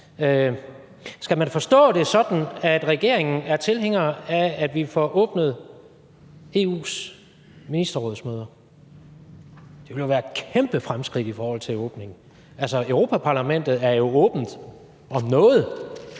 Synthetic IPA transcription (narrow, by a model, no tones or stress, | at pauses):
ø | sɡ̥æmænfɒ̽sd̥ɔ̰̽ːd̥e̝sɒ̽d̥n̩æd̥ʁɛɡ̥e̝ɐ̰e̝ŋn̩æɐt͡sʰe̝lɦeŋ̰ɐːæːd̥ʋifɒʔɔ̽ːb̥nəð̞̩ˠ | e̝ːṵːs | minisd̥ɐʁɔːð̞̩ˠsmøːð̞ˠɐ | d̥e̝ʋe̝ljo̝ʋæːɐkʰemb̥əfʁamsɡ̥ʁid̥ifɒːhɒ̽l̰t͡sʰe̝lɔ̽ːb̥ne̝ŋn̩ | ælsɒøʊʁo̝ːpʰæpʰɑ̈ːlæmen̰d̥ð̞̩ˠæɐjo̝ɔ̽ːb̥n̩d̥ | ɒ̽mnɔ̽ːð̞̩ˠ